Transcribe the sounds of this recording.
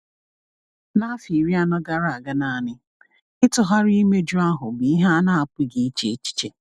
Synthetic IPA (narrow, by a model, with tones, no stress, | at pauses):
na˦fi˨ɾi˦a˦nɔ˦ɡa˦ɾa˨ɡa˦na˨a˨nɪ˦ | ɪ˦tʊ˨ɦa˦ɾi˦me˦d͡ʒu˦a˦ɦʊ˨bi˨i˦ɦa˦na˦a˨pi˦ɡi˨i˦t͡ʃe˨˦t͡ʃi̥˦t͡ʃe˨